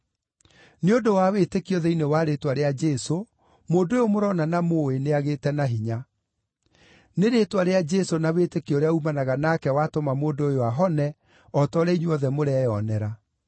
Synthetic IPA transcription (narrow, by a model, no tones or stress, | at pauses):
neodowawetekiɔðɛinewaɾetwaɾead͡ʒɛso | moːndojomoɾɔnanamoeneaɣeːtɛnaɦiɲa | neɾetwaɾead͡ʒɛsonawetekioɾeaumanaɣanakɛwatomamoːndoojowaɦɔnɛ | ɔtɔɾɛiɲeɔðɛmoɾɛjɔnɛɾa